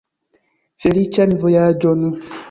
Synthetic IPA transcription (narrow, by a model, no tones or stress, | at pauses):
felit͡ʃɛnvojad͡ʒɔnu